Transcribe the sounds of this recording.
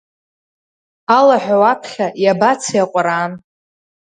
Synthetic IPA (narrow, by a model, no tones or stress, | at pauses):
alaħʷᶣawapʰχʲajabat͡sʰjaqʷʼɾaːn